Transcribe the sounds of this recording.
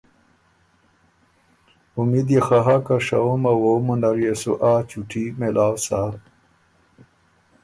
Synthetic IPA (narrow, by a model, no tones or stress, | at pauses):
umid̪exaɦakaʂaumɐwomunɐɾjesṵʔaːt͡ɕuʈʰimelʔaːwsa